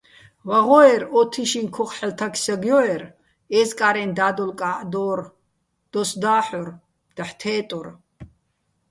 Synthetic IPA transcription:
vaʁɔɛɾɔt̪ʰiʃinkʰɔχħɛlt̪ʰakʰsaɡjɔɛɾ | ɛːzkʼaɾɛnd̪aːd̪ɔlkʼaːʔd̪ɔːɾ | d̪̥ɔsd̪aːħɔr | d̪̥aħt̪ʰɛːt̪ʼɔr

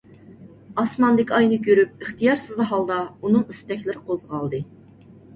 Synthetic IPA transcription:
ɑsmɑnd̪ɪkʲɑjnɨkʲøɾyp̚əχt̪ijɑɾsɨzɨɦɑlˠd̪ɑunɨŋist̪ɛkʲlɪɾɪqʰozʁɑlˠd̪ɨ

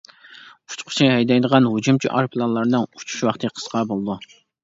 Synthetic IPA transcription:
u̥t͡ʃʰqʰʊ̥t͡ʃʰiɦɛjd̪ɛjd̪əʁɑnɦud͡ʒumt͡ʃʰiʔɑ̰ɾpʰlˠɑnlˠɑɾnɨŋu̥t͡ʃʰu̥ʃwɑχt̪ʰɨqʰə̥sqʰɑbolˠɨd̪u

